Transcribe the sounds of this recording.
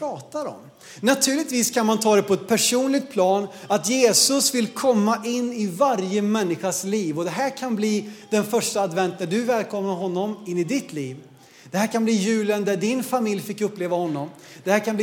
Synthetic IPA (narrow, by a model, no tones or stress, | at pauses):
ɾɑːt̪aɾɔ̰m | nat̪ʰʉ̟ːlɪt̪viːskʰanmant̪ʰɑːd̪ɛpʰɔɛt̪̚pʰæʂuːnlɪɡ̚t̪̚pʰlɑːnat̪jeːsɵsvɪlkʰɔmːaʔɪnːɪvaɾjəmɛnːɪɧasliːvɔd̪ɛɦæːɾkʰanbliːd̪̥ɛnfœʂʈaːd̪vɛnt̪̚næɖɵvɛːlkʰɔmnaɾɦɔnːɔmɪnːɪd̪ɪt̪ʰliːv | d̪̥ɛhæːɾkanbliːjʉ̟ːlənd̪æɖɪnfamɪljfɪkːɵpːleːvahɔnːɔm | d̪̥ɛhæːɾkʰanb̪i